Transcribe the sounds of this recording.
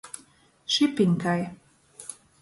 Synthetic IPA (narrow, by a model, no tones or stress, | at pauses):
ʃipiŋʲkaj